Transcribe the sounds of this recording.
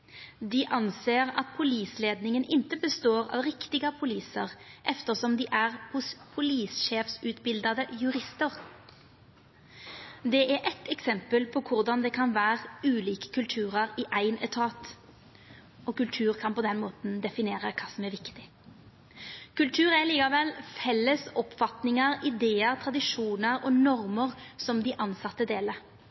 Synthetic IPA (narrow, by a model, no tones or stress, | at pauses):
d̪ɪʔɑnseːʁɑ̰t̪̚pʰʊliːsleːd̪nɪŋənʔɪnt̪əbəst̪oːʁɑ̰ːʋʁɪkt̪ɪɡəpʰʊliːsə̰ʁʔɛft̪əʁsɔmd̪iːʔæʁhʊspʰʊliːsʃeːfsʉːt̪bɪld̪ɑd̪əjʉʁɪst̪əʁ | d̪ɛʔæɾʔɛt̪ʰɛksɛmpəlpʰɔːkʰʊʁd̪ɑnd̪ɛːkʰɑnʋæːʁʉːliːkə̥kʰʉlt̪ʰʉːʁɑʁɪʔæɪnɛt̪ʰɑːt̪ | ɔkʉlt̪ʰʉːʁkʰɑnpɔd̪ɛnmoːt̪n̩d̪ɛfɪneːʁəkʰɑːsɔmæɾʋɪkt̪ɪ | kʉlt̪ʰʉːʁæliːkɑʋɛlfɛlːəsɔpfɑt̪nɪŋɑʁɪd̪eːəʁt̪ʰɾɑd̪ɪʂuːnəʁɔnɔʁməʁsɔmd̪ɪʔɑnsɑt̪ːəd̪eːlə